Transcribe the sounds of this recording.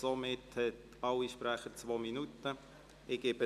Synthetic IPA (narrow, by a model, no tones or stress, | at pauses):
somɪthɛt | ɑwiʃpɾæχət͡sʋoːminutə | ɪɡ̥ɪbə